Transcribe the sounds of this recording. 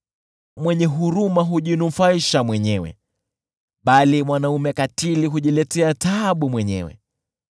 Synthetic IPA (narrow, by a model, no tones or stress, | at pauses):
mwɛɲɛɦuɾumaɦuʄinufaiʃamwɛɲɛwɛ̰ | ɓalimwanaumɛkatiliɦuʄilɛtɛataɓumwɛɲɛ̰wɛ̰